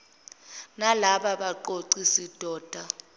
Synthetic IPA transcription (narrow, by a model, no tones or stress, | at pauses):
nalaɓaɓaǃoǀisid̥ʱɔːd̥ʱa